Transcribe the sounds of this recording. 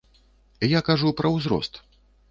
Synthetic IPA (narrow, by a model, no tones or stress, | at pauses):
jakaʐupɾɐwzɾɔ̰st̪